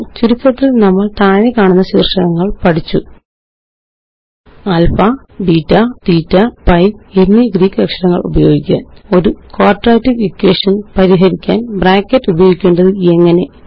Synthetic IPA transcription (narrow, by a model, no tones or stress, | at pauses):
t͡ɕuɾit̪ːrɐt̪ːilnɐmːɐɭt̪aːnekaːɳunːɐɕḭːrʂɐɳɐŋːɐɭpɐʈʰit͡ɕːu | ɐlfɐ | biːtːɐt̪iːtːɐpɐjenːiɡriːkːɨɐkʂɐɽɐŋːɐ̰ɭṵbɐjo̞ːɡikʲːɐo̞ɾukoːrʈraːtːifikːeːʂɐnpɐɾiɦɐɾikʲːa̰ːnbraːkːɐtːubɐjo̞ːɡikʲːe̞ːɳɖɐðɨe̞ŋːɐne̞